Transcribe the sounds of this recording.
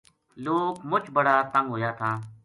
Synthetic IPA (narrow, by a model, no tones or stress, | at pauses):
loːkmʊt͡ʃʰbəɽaːt̪ə̃ŋɡɦoːjaːt̪ʰãː